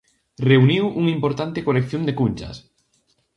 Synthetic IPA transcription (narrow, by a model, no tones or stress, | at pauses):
reuniwʔuŋimpoɾt̪ant̪ɪkolekθjond̪ekunʲt͡ʃa̰s